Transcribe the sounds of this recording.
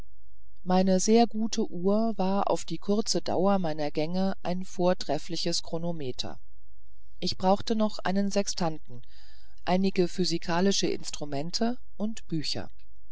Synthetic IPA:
maɪnəzeːɐɡuːtʰəʔuːɐvaːɐʔa̰ʊfd̥iːkʰʊɐt͡səda̰ʊɐmaɪnɐɡɛŋəʔaɪnfoːɐtʁ̥ɛflɪçəskʁ̥onomeːtʰɐ̰ | ʔɪçb̥ʁaʊxtənɔχʔa̰ɪnənzɛkstʰantn̩ | ʔaɪnɪɡəfyzikʰaːlɪʃəʔɪ̰nstʁ̥umɛntʰə | ʔʊntb̥yːçɐ̰

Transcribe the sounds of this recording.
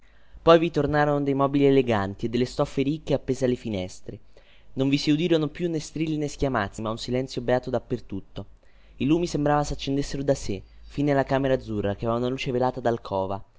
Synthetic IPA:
pɔjvit̪ornaːɾonod̪ejmɔːbilieleɡant̪ied̪ːelːest̪ɔfːeɾikːeapːeːzealefinɛst̪ɾe | noɱvisiud̪iːɾonopjunːest̪ɾilːineskjamat̪simaunsilɛnsjobeaːt̪od̪apːert̪ut̪ːo | iluːmisembɾaːvasat͡ʃːend̪esːeɾod̪asefinealːakaːmeɾad̪zːurːakeɛvaaunaluːt͡ʃevelaːt̪ad̪alkʰɔːva̰

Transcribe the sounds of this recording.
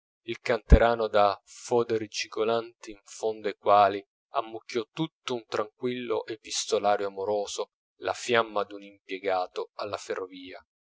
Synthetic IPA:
ilkant̪eɾaːnod̪afɔːd̪eɾit͡ʃikolant̪iːɱfond̪oekwaːli | amːukːjɔt̪ut̪ːount̪ɾaŋkwilːo̰ʔepːist̪olaːɾjoamoɾoːzo | la̰fjamːad̪unimpjɛɡaːt̪oalːaferːoviːa

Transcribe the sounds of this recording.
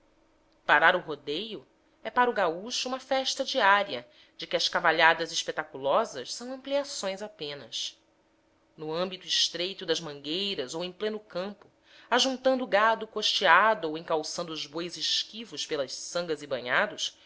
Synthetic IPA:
paɾaɾʊɦod̪ejʊ | ɛpaɾuɡauʃʊũmɐfɛʃt̪ɐd͡ʒiaɾiɐ | d͡ʒɪkɪɐʃkavaʎad̪ɐzɪʃpet̪akulɔzɐʃsɐ̃w̃ɐ̃mpliasõj̃zapẽnɐs | nʊɐ̃mbit̪ʊɪʃt̪ɾejt̪ʊd̪ɐʒmɐ̃ŋɡejɾɐzowẽj̃plẽnʊkɐ̃mpʊ | aʒũnt̪ɐ̃nd̪ʊːɡad̪ʊkoʃt͡ʃiad̪ʊowẽkawsɐ̃nd̪ʊːzbojzɪʃkivʊʃpelɐʃsɐ̃ŋɡɐzibɐ̃ɲad̪ʊʃ

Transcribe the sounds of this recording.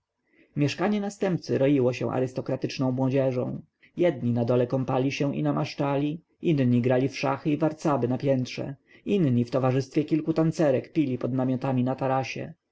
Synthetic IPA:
mʲjɛʂkaɲɛnast̪ɛmp̚t̪sɘɾɔjiwɔɕɛ̰̃ʔa̰ɾɘst̪ɔkɾat̪ɘt͡ʂnɔ̃w̃mwɔd͡ʑɛʐɔ̰̃w̃ | jɛd̪ɲinad̪ɔlɛkɔmpalʲiɕɛʔḭnamaʂt͡ʂalʲi | ʔinɲiɡɾalʲifʂa̰xɘivaɾt̪sabɘnapʲjɛnt̪ʂɛ̰inɲift̪ɔvaʐɘst̪fʲjɛkʲilkut̪ant̪sɛɾɛkpʲilʲipɔd̪namʲɔt̪amʲinat̪aɾaɕɛ̰

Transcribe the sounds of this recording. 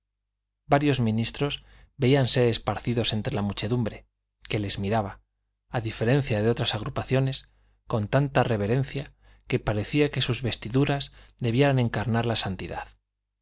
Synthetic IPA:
baɾjo̞zmĩnist̪ɾo̞z | be̞ianse̞ɾe̞spaɾθiðo̞se̞nt̪ɾe̞lamut͡ʃe̞ðumbɾe̞ | ke̞le̞zmiɾaβa | aðife̞ɾẽ̞n̟θjaðeo̞t̪ɾasaɣ̞ɾupaθjo̞ne̞s | ko̞nt̪ant̪are̞β̞e̞ɾe̞n̟θja | ke̞paɾe̞θiake̞suzβe̞st̪iðuɾazðe̞βjeɾane̞ŋkaɾnaɾlasant̪iða̰ð

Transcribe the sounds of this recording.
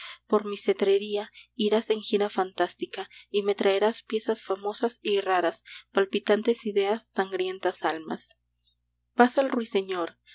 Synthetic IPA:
po̞ɾmise̞t̪ɾe̞ɾiaiɾase̞ŋxiɾafant̪ast̪ikaime̞t̪ɾaeɾaspje̞sasfamo̞sasiraɾaspalpit̪ant̪e̞siðe̞asːaŋɡɾje̞nt̪asalma̰s | pasalrwise̞ɲo̞ɾ

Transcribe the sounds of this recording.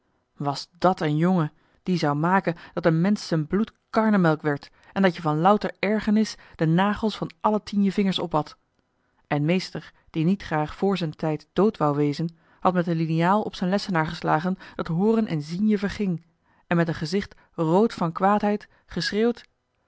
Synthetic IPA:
ʋɑzdɑtənjoŋə | d̥izɑwmaːkənd̥ɑtənmɛnsːənblutkɑɹnəmɛlˠkʋɛɹt | ʔɛndɑtjəvɑnlʌwtəɹɛɹχənɪsd̥ənaːχəl̩ˠsfɑnʔɑlətinjəvɪŋəɹsɔ̰pɦɑt | ʔɛnmejstəɹ | d̥initχraːχfʊːɹzɛntɛjtd̥owtʋɑwʋejzən | hɑtmɛtəlinijaːlˠɔpsɛjnlɛsənaːɹχəslaːχənd̥ɑtɦʊːrənʔɛ̰nzinjəvəɹχɪŋ | ɛnmɛtənχəzɪχt | rowtfɑnkʋaːtɦɛjt | χəsreːwt

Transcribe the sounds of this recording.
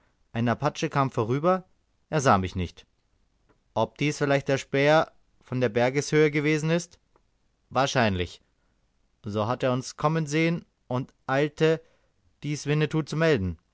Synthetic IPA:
ʔaɪnapʰat͡ʃəkʰaːmfoːʁ̞yːbɐ | ʔeːɐzaːmɪçnɪçt | ʔɔp̚d̥iːsfɪlaɪçt̚d̥eːɐʃpɛːɐ | fɔndeːɐbɛɐɡəshøːəɡəveːzn̩ɪst | vaːɐʃaɪnlɪ̰ç | zoːɦateːɐʊnskʰɔmənzeːən | ʔʊntʔaɪltʰə | d̥iːsv̥ɪnətʰuːt͡sumɛldn̩

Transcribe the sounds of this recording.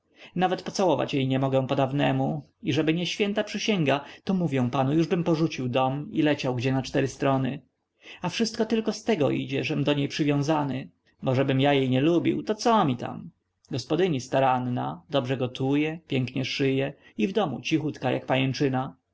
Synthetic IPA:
navɛt̪pɔt̪sawɔva̰t͡ɕjejɲɛmɔɡɛ̃pɔd̪avnɛmu | iʐɛbɘɲɛɕfʲjɛnt̪apʂɘɕɛŋɡat̪ɔmuvjɛ̃panujuʐbɘmpɔʐut͡ɕiwd̪ɔmḭlɛt͡ɕawɡd͡ʑɛnat͡ʂt̪ɛɾɘst̪ɾɔnɘ | afʂɘst̪̚kɔt̪ɘlkɔst̪ɛɡɔʔid͡ʑɛʐɛmd̪ɔɲejpʂɘvʲjɔ̃w̃zanɘ | bɔʐɛbɘmjajejɲɛlubʲḭwt̪ɔt̪sɔmʲit̪a̰m | ɡɔspɔd̪ɘɲist̪aɾanːa̰d̪ɔbʐɛɡɔt̪ʰujɛpʲjɛŋkɲɛʂɘjɛ | ivd̪ɔmṵt͡ɕixut̪kaja̰kpajɛnt͡ʂɘna

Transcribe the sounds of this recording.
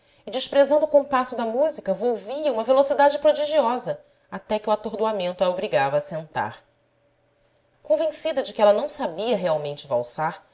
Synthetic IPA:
ɪd͡ʒɪʃpɾezɐ̃nd̪ʊukõpasʊd̪ɐmuzikɐvowviɐũmɐvelosid̪ad͡ʒɪpɾod͡ʒiʒiɔzɐ | at̪ɛkɪuat̪oɾd̪uamẽnt̪ʊɛɐobɾiɡavɐːsẽnt̪a̰ɾ | kõvẽsid̪ɐd͡ʒɪkɪɛlɐnɐ̃w̃sabiɐɦeawmẽnt͡ʃɪva̰wsaɾ

